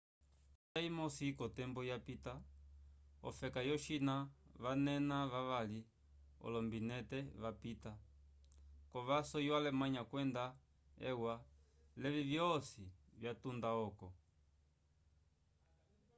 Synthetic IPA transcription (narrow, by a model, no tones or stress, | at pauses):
taimɔsikɔtɛmbɔjapita | ɔ̰fɛkajɔʃinaʋanɛnaʋaʋali | ɔ̰lɔmbinɛtɛʋapita | kɔʋasɔjalɛmaɲakwɛnda | ɛ̰wa | lɛvivjɔsivjatundaɔkɔ